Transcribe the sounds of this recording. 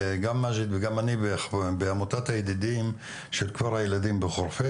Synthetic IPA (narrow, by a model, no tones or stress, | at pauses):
ɡamːaʒit̪veɡamanibebeamotat̪hajed̪id̪im | ʃelkvaʁhajelad̪imbeχoʁfe